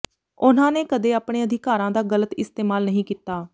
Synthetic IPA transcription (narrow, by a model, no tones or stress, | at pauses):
ʊnãːneːkəd̪eːaːpɽ̃eːəd̪ʱɪkaːɾãːd̪aːɡələt̪ɪst̪eːmaːlnəɦĩːkiːt̪ːaː